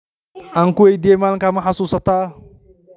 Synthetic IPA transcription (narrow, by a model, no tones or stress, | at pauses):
aŋkuwejd̪emalkamaħasuːsat̪aː